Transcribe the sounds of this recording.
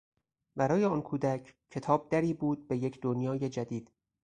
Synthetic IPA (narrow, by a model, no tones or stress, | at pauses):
bæɾɒːjeɒːnkʰuːd̪æcʰcʰːe̞t̪ʰɒːb̚d̪æɾiːbuːd̪̚be̞jecʰd̪onjɒːje̞d͡ʒæd̪iːd̪̥